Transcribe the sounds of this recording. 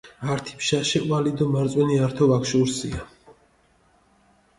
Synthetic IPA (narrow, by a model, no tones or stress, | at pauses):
aɾt̪ʰi̥pʰʃaʃɛwalid̪ɔmaɾt̪sʼwɛniaɾt̪ʰɔvakʃuɾsia